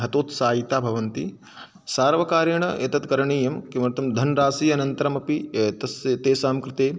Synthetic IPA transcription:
ɦɐt̪oːt̪saːjit̪aːbʱɐʋɐnt̪i | saːɾʋɐkaːɾjɐɳɐḛːt̪ɐt̪kɐɾɐɳiːjɐmkemɾɐt̪ɐmd̪ʱɐnɾaːsiːɐnɐnt̪ɐɾɐmɐpiet̪ɐst̪eːsaːmkɾɪt̪eː

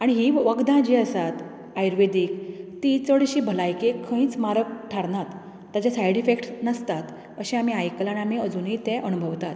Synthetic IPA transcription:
aɽ̃iɦiʋəɡd̪ãd͡ʑiːəsat̪ | ajɾʋed̪ikt̪it͡səɽɕiːbʱəlajkekʰə̃ĩːt͡smaɾəkʈʰaɾnat̪ː | jat͡ɕasajɽifekʈnəst̪at̪ | əɕĩam̤iajkəlanamiəd͡zuːnɦit̪ɛ̃ʔənubʱəʋt̪at̪

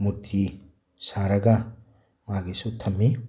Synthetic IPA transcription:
muɾtʰi | saɾɐɡɐ | maɡisutʰɐmːi

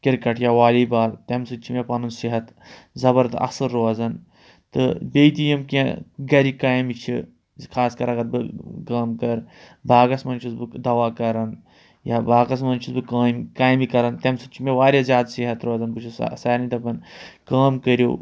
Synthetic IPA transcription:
kiɾkɐʈʰjaʋaːliːbaːlt̪emsɨt͡ʃʰimepɐnunsiɦɐt̪ | zɐbɐɾt̪ɨɐ̰sɨɾːoːzɐn | t̪ɨ̰bejt̪ijɐmkẽɡɐɾikaːjmit͡ʃʰi | kʰaːskɐɾɐɡɐɾbɨkaːmkɐɾ | bʱaːɡɐsmɐnt͡ʃʰusbɨd̪ɐʋaːkɐɾɐn | jaːbaːɡɐsmɐnt͡ʃʰusbɨkaːmkaːjmikɐɾɐnt̪emsɨt͡ʃʰimeʋaːɾʲjazjaːd̪siɦɐt̪ɾoːzɐnbɨt͡ʃʰussɐːɾnit̪ɐpɐnkaːmkəɾjo̰ː

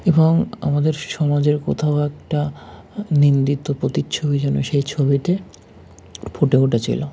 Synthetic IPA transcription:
eboŋa̰mad̪eɾʃɔmad͡ʑeɾko̰t̪ʰaoɛk̚ʈa | nind̪it̪ːopɾot̪it͡ɕʰobid͡ʑɛnoʃejt͡ɕʰobiʈe | pʰoʈeuʈat͡ɕʰḭlo

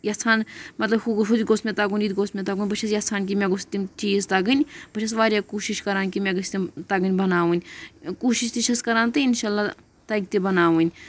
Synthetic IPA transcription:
jat͡sʰaːnmɐt̪lɐbkuɡɦud̪ʲɡosmẽt̪aɡunʲid̪ʲɡosmet̪aɡunʲbɐt͡ʃʰɐsjat͡sʰaːnk̬imẽɡost̪imt͡ʃiːzt̪ɐɡɨnʲbɐʃʰɐs̬ʋaːɾʲjakuːʃiʃkɐɾaːnkimeɡɐsʲt̪et̪ɐɡɨnʲbɐnaːʋunʲkuːʃiʃt̪iʃʰɐskɐɾaːnt̪ɨinʃaːlːaː | t̪ɐɡt̪ebɐnaːʋunʲ

